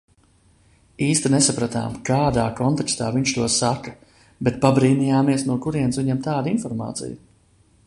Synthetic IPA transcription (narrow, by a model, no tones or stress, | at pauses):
iːst̪inesapɾat̪a̰ːmkaːd̪aːkɔnt̪akst̪aːviɲʃt̪uɔsakɐ̥ | bɛt̪̚pabɾiːnijaːmiɛsnuɔkuɾiɛnsviɲɛmt̪aːd̪infɔɾma̰ːt̪sḭj